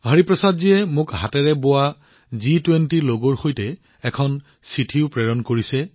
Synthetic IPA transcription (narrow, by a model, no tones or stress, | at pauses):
ɦəɹipɹɔsadziɛmʊkɦatɛɹɛbowa | zitwentiloɡɔɹxojtɛ | ɛkʰɔn | sitʰiʊpɹɛɹɔnkoɹisɛ